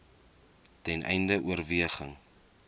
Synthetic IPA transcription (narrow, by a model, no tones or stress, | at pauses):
tɛnʔɛ̰jndəʔuərviəχəŋ